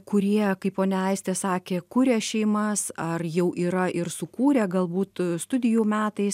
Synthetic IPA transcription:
kʊɾʲiɛkɐɪpoːnʲɛɐɪsʲt̪ʲɛːsɑːkʲeːkʊɾʲɛʃʲɛɪmɐsɐrjɛʊʔiːɾɐʔɪrsʊkuːɾʲɛːɡɐlˠbuːt̪st̪ʊd̪ʲɪjuːmʲæːt̪ɐɪs

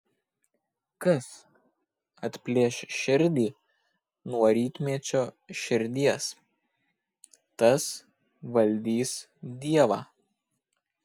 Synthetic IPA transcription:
kɐs | ɐt̪ʲpʲlʲiɛʃʲʃʲɪɾʲd̪ʲiː | nuɔɾʲiːt̪ʲmʲiɛt͡ʃʲoː | ʃʲɪɾʲd̪ʲiɛs | t̪ɐs | ʋɐlʲd̪ʲiːs | d̪ʲiɛʋɑː

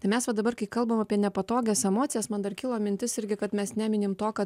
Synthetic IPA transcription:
t̪ɐɪmʲɛsʋɐd̪ɐbɐɾkɐɪkɐlˠbɐmɐpʲiɛnʲɛpɐt̪oːɡʲɛːsɛmoːt̪sʲɪjɛsmɐnd̪ɐrkʲɪlˠoːmʲɪnʲt̪ʲɪsɪɾʲɡʲɪkɐt̪mʲɛsnʲæːmʲɪnʲɪmt̪oːkɐ

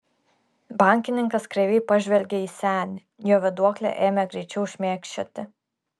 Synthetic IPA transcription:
bɑˑŋʲkʲɪnʲɪŋkɐskɾʲɛʋʲɛɪpɐʒʲʋʲɛlʲɡʲɛiːsʲæːnʲɪ | joːʋʲɛd̪uɔklʲɛ̰ʔeːmʲɛɡɾʲɛɪt͡ʃʲɛʊʃʲmʲeːkʲʃʲt͡ʃʲot̪ʲɪ

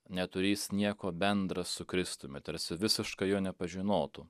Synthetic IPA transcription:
nʲɛt̪ʊɾʲiːsnʲiɛkoːbʲɛnd̪ɾɐssʊkɾʲɪst̪ʊmʲɪt̪ɐɾsʲɪʋʲɪsʲɪʃkɐjoːnʲɛpɐʒʲɪnoːt̪ʊ

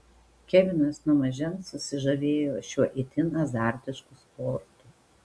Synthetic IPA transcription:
kʲɛʋʲɪnʲɐsnʊmɐʒʲɛnsʊsʲɪʒɐʋʲeːjoːʃʲuɔʔɪt̪ʲɪnɐzɑːɾʲt̪ʲɪʃkuspɔːɾt̪u

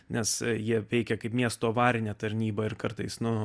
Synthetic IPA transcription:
nʲɛsjiɛʋʲɛɪkʲɛkɐɪpmʲiɛst̪oːʋɑːɾʲɪnʲɛːt̪ɐɾʲnʲiːbɐɪɾkɐrt̪ɐɪsnʊ

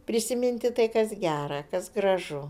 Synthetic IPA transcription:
pʲɾʲɪsʲɪmʲɪnʲt̪ʲɪt̪ɐɪkɐsɡʲæːɾɐkɐsɡɾɐʒʊ

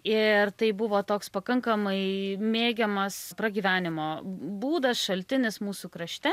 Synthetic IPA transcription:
ɪrt̪ɐɪbʊʋoːt̪oːkspɐkɐŋkɐmɐɪmʲeːɡʲɛmɐspɾɐɡʲiːʋʲæːnʲɪmoːbuːd̪ɐsʃɐlʲt̪ʲɪnʲɪsmuːsukɾɐʃʲt̪ʲɛ

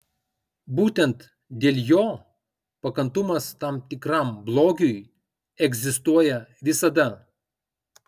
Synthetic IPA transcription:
buːt̪ʲɛnt̪ | d̪ʲeːlʲˠjoː | pɐkɐnt̪ʊmɐst̪ɐmt̪ʲɪkɾɑmblˠoːɡʲʊj | ɛɡzʲɪst̪uɔjɛʋʲɪsɐd̪ɐ

